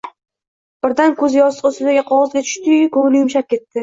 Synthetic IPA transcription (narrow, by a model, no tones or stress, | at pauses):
b̥ɪɾd̪ankʰɵzjɒɨ̥qosɪd̪aɡʲɪqʰɒʁɨzɡʲat͡ʃ̪ʰʊ̥ʃt̪ɪkʰɵŋlɪjʊmʃap̚kʲe̞t̪ːɪ